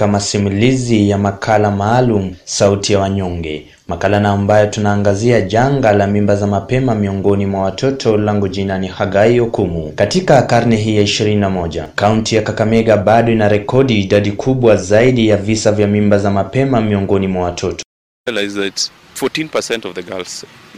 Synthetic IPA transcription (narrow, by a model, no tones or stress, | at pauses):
amasimulizijamakʰalamaːlum̩sautijawaɲɔŋɡɛ̰ | makalanaambajɔtunaːŋɡaziaʄaŋɡalamimbazamapɛmamiɔŋɡɔnimwawatʰɔtʰɔlaŋɡuʄinanihaɡaiɔkumukatikakaɾnɛɦijaiʃiɾininamɔʄa̰kauntijakakamɛɠaɓaɗɔinaɾɛkɔɗiːɗaɗikʰuɓwazaiɗijavisavjamimbazamapɛmamiɔŋɡɔnimwawatʰɔtɔ̥ | lajzðaits | fɔtĩnpə˞sɛ̃ntɔvðəɡals